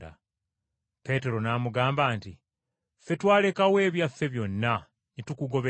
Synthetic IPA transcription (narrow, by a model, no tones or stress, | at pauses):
a̰ | pe̞ːte̞ɾo̞naːmuɡaːmbaːnti | fe̞twaːle̞kawe̞ːβjafːe̞βjo̞nːa | nitukuɡo̞βe